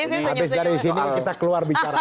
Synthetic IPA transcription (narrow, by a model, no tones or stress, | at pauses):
abɪsdaɾisinikit̪akəluarbit͡ʃaɾa